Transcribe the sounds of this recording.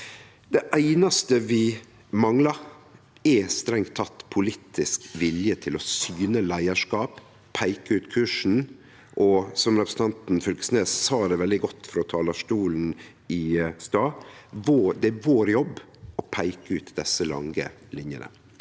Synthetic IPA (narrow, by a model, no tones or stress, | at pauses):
d̪̥ɛʔæɪnɑst̪əʋɪ | mɑŋlɑɾ | ɛst̪ɾɛŋt̪ʰːɑt̪ːpʰʊliːt̪ʰɪskʋɪljət̪ʰɪlɔsyːnəlæɪəʂkɑːp | pʰæɪkəʉːt̪kʰʉːʂn̩ | ʔɔsɔmɾɛpɾəsn̩t̪ʰɑnt̪n̩fʏlkə̥sneːssɑːd̪ɛʋɛld̪ɪɡɔt̪ːfɔɾɔt̪ʰɑːlɑʂʈuːln̩ | ɪst̪ɑːʋoːd̪ɛæʋoːɾjɔbː | ɔpʰæɪkəʉːt̪d̪ɛsːəlɑ̰ŋə̰ | lɪnjə̰nə̰